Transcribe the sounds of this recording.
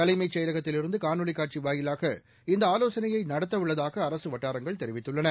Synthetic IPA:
k̪ɐlɐɪmɐɪt͡ʃɐjɾɐɣɐt̪ːɪlɪɾɯnd̪ɯkaːnɯɭɪkːaːʈ̚t͡ʃiʋaːjɪlaːɣɐ | ɪnd̪ɐaːloːsɐnɐjɐɪnɐɽɐt̪ːɐʋɯɭːɐðaːɣɐːɾɐsɯʋɐʈːaːɾɐŋɡɐɭt̪ɛɾɪʋɪt̪ːɯɭːɐnɐ

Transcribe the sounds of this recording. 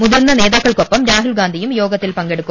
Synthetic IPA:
mʊðɐɾnɐneːðaːkːɐɭkɔpːɐmɾaːɦʊlɡaːnd̪ijɯmjoːɡɐt̪ːɪlpɐŋɡeɽɯkːɯ

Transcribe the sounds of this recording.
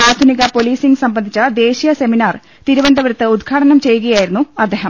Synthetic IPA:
aːd̪ʱuniɣɐpo̞liːsiŋɡsɐmbɐnd̪ʱit͡ɕːɐd̪e̞ːɕijɐse̞minaːr | t̪iɾubɐnd̪ʱɐʋɐɾɐt̪ːɨud̪ɡʰaːʈɐnɐmt͡ɕe̞jːuɣɐjaːjiɾunːuɐd̪ːeːɦɐm

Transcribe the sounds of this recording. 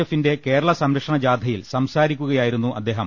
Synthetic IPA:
ɐfinde̞ke̞ːɾɐɭɐsɐmɾɐkʂɐɳɐd͡ʑaːd̪ʱɐjilsɐmsaːɾikʲːuɣɐjaːjiɾun̪ːuʔɐd̪ːe̞ːɦɐm

